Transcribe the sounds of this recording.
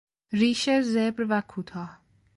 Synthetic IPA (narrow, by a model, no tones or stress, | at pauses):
ɾiːʃezebɾvækʰuːt̪ʰɒːh